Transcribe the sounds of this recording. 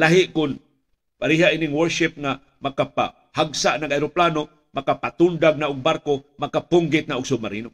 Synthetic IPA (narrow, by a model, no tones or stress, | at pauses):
laɦɪʔkʊn | paɾiɦaʔinɪŋwɛɾsɪp̚ŋa | makapa̰ | haɡsaʔnaɡajɾoplano | makapat̪ʊnd̪aɡ̚naʔʊɡ̚baɾkomakapʊŋɡɪt̪̚naʔʊɡsʊmaɾiːnʊ